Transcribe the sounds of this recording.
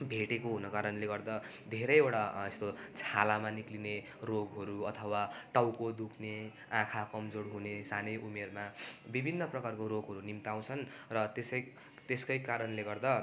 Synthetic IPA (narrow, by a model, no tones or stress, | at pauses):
bʱeʈekoɦunʌkaɾʌnleɡʌrd̪a | d̪ʱeɾʌjewʈaest̪ot͡sʰalamanikline | roɡɦʌɾuʌt̪ʰʌwaʈawkod̪ukʰne | ãkʰakʌmd͡zoɽɦunesanʌjʔumermabibʱinːʌprʌkarkoɾoɡɦʌɾunimt̪aw̃t͡sʰʌnrʌt̪esʌj | t̪eskʌjkaɾʌnleɡʌrd̪a